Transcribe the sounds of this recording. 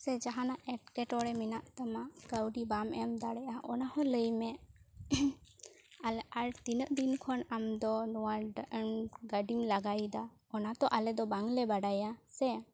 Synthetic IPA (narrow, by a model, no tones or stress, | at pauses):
sɛd͡ʒaɦanaʔʔɛʈ̚kɛʈɔɽɛminaʔt̪amaʔkəwɖibamɛmd̪aɽɛʔaʔɔnahɔ̃ləjmɛ | alɛaɽt̪inəʔd̪inkʰɔnamd̪ɔnɔwaɖəənɡəɖimlaɡajd̪a | ɔnat̪ɔʔalɛd̪ɔbaŋlɛbaɽajasɛ